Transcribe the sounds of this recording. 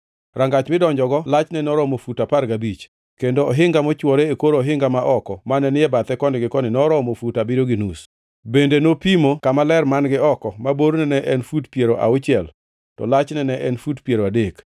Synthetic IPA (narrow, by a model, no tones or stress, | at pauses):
raŋɡat͡ʃmɪdɔɲd͡ʒɔɡɔlat͡ʃnɛnɔɾɔmofutapaɾɡabit͡ʃ | kendoːɦɪŋɡamɔt͡ʃwɔɾeekoɾɔɦɪŋɡamaʔɔkɔmanɛnɪɛbat̪ɛkɔndɪɡɪkɔnɪnɔɾɔmofutabɪɾoɡɪnus | bendenopimokamalɛrmanɡɪɔkɔmaboɾnɛnɛʔɛnfutpjeɾoʔa̰ʊt͡ʃɪɛl | tɔ̰lat͡ʃnɛnɛʔɛnfutpjeɾoadek